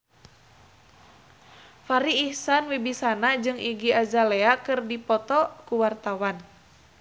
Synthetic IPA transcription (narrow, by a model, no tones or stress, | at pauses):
faɾiːhsanwibisanad͡ʒɨŋiɡiazaleakɨrdipɔt̪ɔkuwart̪awan